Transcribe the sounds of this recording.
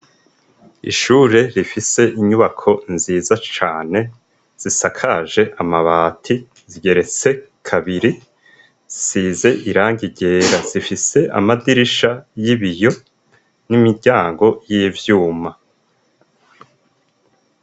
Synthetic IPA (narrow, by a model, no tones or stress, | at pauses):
ḭʃuːɾe̞ɾifise̞ʔiɲuβakʰo̞nziːzat͡ʃaːne̞ | z̥isakʰaʒe̞ʔamaβaːtʰi | ziɟe̞ɾe̞t͡se̞kʰaβiɾi | zisiːze̞ʔiɾaːŋɡiɟe̞ːɾaz̥ifise̞ʔa̰madiɾiʃajiβijo̞ | nimiɾɟaːŋɡo̞jiːvjuːma